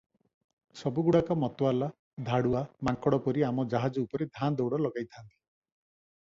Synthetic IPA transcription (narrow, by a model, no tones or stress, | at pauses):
sɔbuɡuɽakɔmɔt̪ɔala | d̪ʱaɽuamaŋkɔɽɔpɔɾiamɔd͡ʒaɦad͡ʒɔupɔɾed̪ʱand̪ɔowɽɔlɔɡajt̪ʰant̪i̥